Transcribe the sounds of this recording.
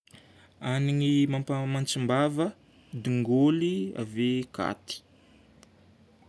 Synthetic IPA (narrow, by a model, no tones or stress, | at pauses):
aniŋimampamant͡simbavə | d̪iŋɡolia̰veka̰t̪i̥